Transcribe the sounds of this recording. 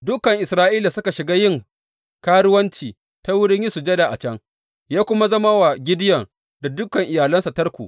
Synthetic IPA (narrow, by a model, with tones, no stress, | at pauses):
dʊ˦kːɐ˨ŋʔɪ˨sɾaː˦ʔiː˦la˨sʊ˦ka˨ʃɪ˨ɡaː˦jɪ˦˨ŋ | kaː˦ɽʊ˦wɐ˦nt͡ʃiː˨ | ta˦wʊ˦ɽɪ˦ɲji˦su˨d͡ʒɐ˦da˨ʔa̰˨t͡ʃɐ˦ŋ | jaː˦kʷʊ˦ma˦zɐ˦ma˦wa˨ɡʲɪ˦dɪ˦jɐ˨ŋ | da˨dʊ˦kɐ˨ŋʔɪ˨jaː˨lɐ˦nsa˨tɐ˦rkʷṵ˨ʔ